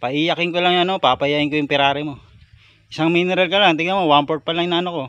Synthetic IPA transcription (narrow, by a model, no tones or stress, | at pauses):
pɐʔijɐkɪŋkolaŋjʊɐnopapɐjaɡɪŋkojʊŋpɪɾaːɾɛmo̞ | ʔɪsaŋminɛɾɐlkɐlaŋt̪ɪɡamowampoɹt̪̚pɐlaŋjnaɐnoko̞